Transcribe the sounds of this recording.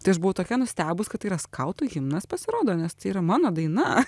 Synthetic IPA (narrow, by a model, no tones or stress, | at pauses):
t̪ɐɪɐʃbʊʋɐʊt̪oːkʲɛnʊsʲt̪ʲæːbʊskɐt̪iːɾɐskʰɐʊt̪ʊɣʲɪmnɐspɐsʲɪɾoːd̪oːnʲɛst̪ɪiːɾɐmɑːnoːd̪ɐɪnɐ